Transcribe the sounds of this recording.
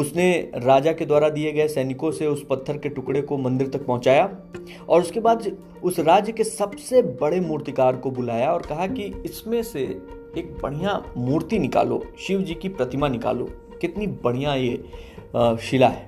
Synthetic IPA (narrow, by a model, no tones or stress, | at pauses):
ʊsneɾaːd͡ʒaked̪waːɾad̪ieɡɐesɛːnɪkõseʊspɐt̪ʰːəɾkeʈʊkɽekomɐ̃nd̪ɪɾt̪ɐk̚pɔ̃ɦʊ̃t͡ʃaːja | ɔːɾʊskebaːd̪ | ʊsɾaːd͡ʒjəkesɐbsebɐɽemuːɾt̪ikaːɾkobʊlaːjaɔːɾkɐɦakiɪsmẽsḛː | k̚bɐɽ̤̃ijamuːɾt̪inɪka̰ːlo̰ʃiːʋd͡ʒiːkipɾɐt̪ɪmanɪka̰ːlo̰ː | kɪt̪nibɐɽ̤̃ijaje | ʃɪlaɦɛː